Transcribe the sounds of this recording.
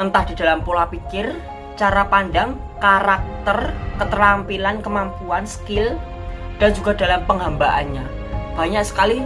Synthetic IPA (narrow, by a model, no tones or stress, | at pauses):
ənt̪ahd̥i̤d̥a̤lampolapikɪr | t͡ʃaɾapandaŋ | kaɾak̚t̪ərkət̪əɾampilankəmampuansə̥kɪl | d̥and͡ʒuɡada̤lampəŋɦambaʔa̰nɲa | b̥a̤ɲaksə̥kali